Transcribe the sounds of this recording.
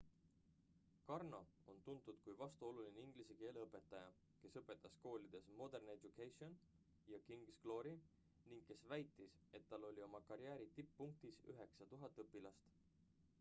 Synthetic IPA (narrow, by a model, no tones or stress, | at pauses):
kɑrno̞o̞nt̪unt̪ˑud̪̥kujvɑst̪uo̞lulineiŋɡ̥liseke̞ːleɤpːˑe̞t̪ːˑɑjɑ | ke̞sɤpːˑe̞t̪ːˑɑsko̞ːlʲid̪̥e̞smo̞d̪e̞rne̞dukejsio̞n | jɑkiŋɡsɡ̥lo̞ːɾi | niŋɡ̥̚kːe̞svæjt̪ːˑis | e̞t̪ːɑlːo̞lʲio̞mɑkɑɾjæːɾit̪ipːuŋk̚t̪isy̰ɦe̞ksɑt̪uɦɑt̪ːˑɤpːilɑst̪